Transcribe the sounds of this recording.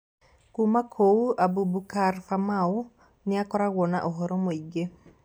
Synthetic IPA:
kumakʰouabubukaɾfamau | nɪakɔɾaɣwɔna̰ʔoɦɔɾɔmoiɡe

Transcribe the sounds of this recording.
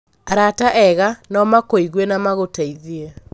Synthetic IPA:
aɾataʔɛɣanɔmakoiɣwɛnamaɣotaiðiɛ

